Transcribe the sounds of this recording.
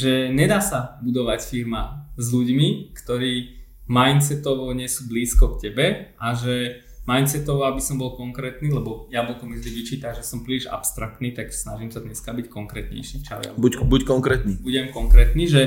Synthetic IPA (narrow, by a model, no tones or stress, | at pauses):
ʒɛɲɛd̪aːsabud̪ɔʋacfiɾmazluɟmikt̪ɔɾiː | majnt̪t͡sɛt̪ɔʋɔɲɛsuːbliːskɔkcɛbɛʔaʒɛ | majnt̪t͡sɛt̪ɔʋɔabisɔmbɔlˠkɔŋkɾɛːt̪niːlɛbɔjamut̪ɔmʒd̪iʋit͡ʃiːt̪aʒɛsɔmpɾiːliʒa̰pst̪ɾak̚t̪niːt̪aksnaʒiːmsad̪ɲɛskabickɔŋkɾɛt̪ɲɛ̰jʃiːft͡ʃa̰ja̰bubuckɔŋkɾɛt̪nibuɟɛmkɔŋkɾɛːt̪niːʒɛ